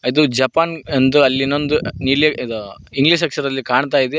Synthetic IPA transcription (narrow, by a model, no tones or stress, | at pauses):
id̪ud͡ʒɐpaːnɐnd̪uɐlːinond̪unileɐd̪u | iŋɡliʃ̬ɐkʂɐɾɐlːikaːɳt̪̬aːjid̪e